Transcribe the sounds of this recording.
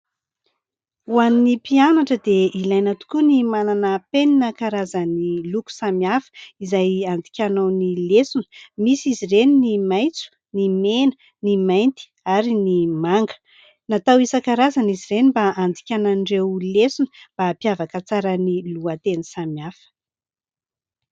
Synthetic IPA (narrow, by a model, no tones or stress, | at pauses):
uaninipianaʈ͡ʂəd̪eilajnat̪u̥kunimananəpeninəkaɾazəniluku̥samiafə̥izajand̪ikʲanawnilesunə̥misizireninimajt͡su̥ | nimenə | nimajnt̪i̥ | aɾinimaŋɡə̥ | nat̪awisəkaɾazaniziɾenimbaand̪ikʲanaɳɖ͡ʐewlesunə̥b̥apiavakət͡saɾəniluat̪enisamiafə̥